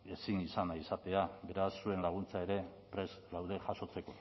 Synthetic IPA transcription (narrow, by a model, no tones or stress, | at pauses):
e̞sinisanaisat̪e̞aβe̞ɾasːue̞nlaɣ̞unt͡saeɾe̞pɾe̞zlawðe̞ʝaʃo̞t͡se̞ko̞